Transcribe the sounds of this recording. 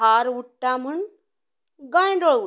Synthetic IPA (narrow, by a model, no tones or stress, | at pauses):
aɾʋuʈːam̤əɳ | ɡãjɖɔɭu